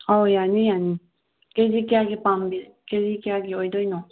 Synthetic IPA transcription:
ɔjanĩjanĩ | kezikjaɡipãmbi | kezikjaɡioid̪ojnɔ̃

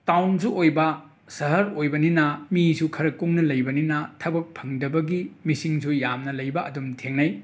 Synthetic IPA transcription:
tawnsuojbɐ | sɐɦɐɾojbɐninɐmisukʰɐɾɐkːuŋnɐlɐjbɐninɐtʰɐbɐk̚pʰɐŋdɐbɐɡimisiŋsʰujamnɐlɐjbɐɐdumtʰeŋnɐj

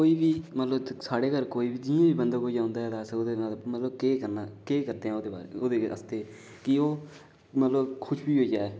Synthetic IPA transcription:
koːiːbiːmət̪ləbsaːɽeːɡəɾkoːiːbiːd͡ʒɪãːbiːbənd̪aːkoːid͡ʒãːʊːnd̪aːɦɛːd̪aːsoːd̪eːnamət̪ləbkeːkəɾnaːkeːkəɾd̪eːɦɛ̃ːoːd̪eːba̰ːɾeoːd̪eːə̰st̪eː | kɪoː | mət̪ləbkʰʊʃʰbiːɦoːiːd͡ʒaːɛː

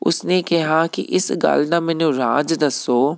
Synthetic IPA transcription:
ʊ̰snekɐɦakḭʔɪsɡa̰ːld̪ãmɛ̃nũɾaːd͡ʒd̪ɐsoː

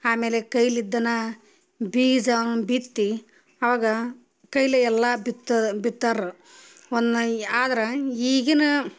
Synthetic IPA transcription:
aːme̞ːlekɐjlid̪ːɐnɐ | biːɡd͡ʒɐnubit̪ːi | ɐʋaːɡɐ | kɐjlɐɛlːɐbit̪ːbit̪ːɐɾu | ond̪uaːd̪ɐɾɐiːɡɐnu

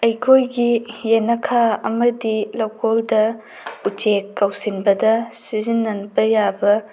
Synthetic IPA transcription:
ɐjkʰojɡijenɐkʰaɐmɐdilokʰoldɐ | ut͡ʃekːɐwsinbɐdɐsizinːɐnbɐjabɐ

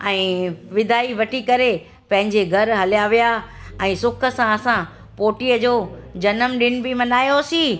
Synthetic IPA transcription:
ɛ̃ːʋɪd̪ʱaːiʋɐʈʰikɐɾe | pɐ̃ɦɪ̃ɲd͡ʑeɡʱɐɾɦɐlijaʋijaɛ̃ːsʊkʰə̆sãɐsã | poːʈijəd͡ʑoːd͡ʑɐnəmɗɪñ̆bɪmɐnaːjosĩː

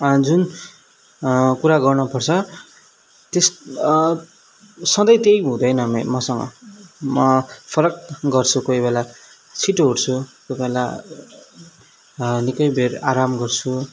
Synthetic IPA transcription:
ʌd͡zun | kuɾaɡʌrnʌpʌrt͡sʰʌ | t̪es | sʌd̪ʌjt̪ejɦũd̪ʌjnʌmemʌsʌŋɡʌ̰mʌpʰʌɾʌkɡʌrt͡sʰukoibela | t͡sʰiʈɦoɽt͡sʰuk̪ʌpaẽla | nikʌjbʱeraɾamɡʌrt͡sʰu

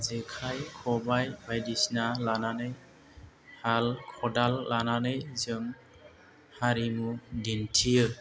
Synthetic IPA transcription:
zɛkʰajkʰɔbajbajdisnalananɯj | halkʰɔdalːananɯjzɯm | haɾimudintʰijɯ

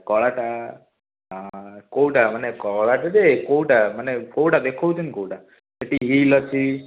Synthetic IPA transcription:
kɔɭaʈa | ɦãkowʈamanekɔɭaʈad͡ʒekowʈamənekowʈad̪ekʰɔwt͡ʃənkowʈa | eʈiɦilɔt͡ʃʰi

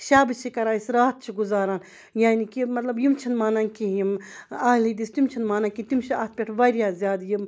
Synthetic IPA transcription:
ʃaːbɨt͡ʃʰikɐɾaːsɾaːt̪̚t͡ʃʰiɡuzaːɾaːn | jaːnikimɐt̪lɐbjimt͡ʃʰinmaːnankijimaːlid̪ist̪umt͡ʃʰinmaːnaːnkit̪umt͡ʃʰiaːt̪̚ʰpʲeʈʰʋaɾjaːzʲjaːd̪jim

